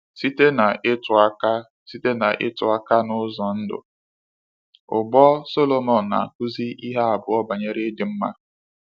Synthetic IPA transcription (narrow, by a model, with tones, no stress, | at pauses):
si˦te˦na˨ɪ˦tʊ˨a˦ka˦ | si˦te˦na˨ʔɪ̰˦tʊ˨a˦ka˦nʊ˦zɔ˨n̩˦dʊ̰˨ | ʊ˨ɡ͡bɔ˦so˦lo˨mɔ˨n˨na̰˨kʊ˦zi˦ʔi˦ɦa˦a˨bʊ˨ɔ˦ba˨ɲe˦ɾe˦dɪ˨m̩˦ma̰˦